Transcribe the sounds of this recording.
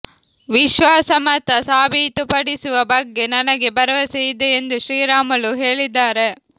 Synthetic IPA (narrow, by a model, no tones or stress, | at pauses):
ʋɪʃʋaːsɐmɐt̪ːɐsaːbit̪ːɯpɐɽɪsɯʋɐbɐɡːenɐnɐɣebɐɾɐʋɐsɛjd̪ɐend̪ɯʃɾiːɾaːmɐɭɯɦeːɭid̪ːaːɾe